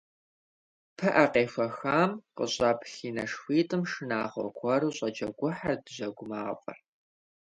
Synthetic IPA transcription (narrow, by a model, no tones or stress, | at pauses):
pʰɐʔɐqeːfʷɐxaːmqə̰ɕʼɑːpɬiːnɐʂxʷiːtʼɨmʂɨnaːʁʷɔ̰kʷʰɐɾuːɕʼɐd͡ʒɐɡʷʊħardɨʑɐɡʷʊmaːfʼɐ̰r